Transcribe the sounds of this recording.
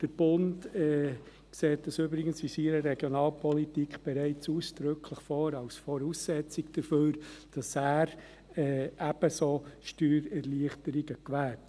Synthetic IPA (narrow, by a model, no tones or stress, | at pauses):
d̥əɾb̥ʊndɛ | kseːtəsyːbɾɪɡənsʋisiːɾəɾɛɡ̥jɔnɑːlpʰɔlitikχb̥ɛɾæɪt͡suːsd̥ɾʏkʰləχfɔːɾɑwsfɔɾuːsːɛt͡sɪkd̥əɾføːɾd̥ɑsæːɾ | ɛːʔæb̥əsoːʃtyːɾɛɾliəχtəɾiɡəkʋæːt